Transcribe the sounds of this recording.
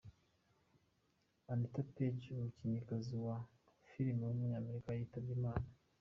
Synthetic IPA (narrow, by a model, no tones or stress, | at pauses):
anitaped͡ʒmuciɲikaziwa | fiɾimwumuɲaːmeɾikaaitabɡimaːna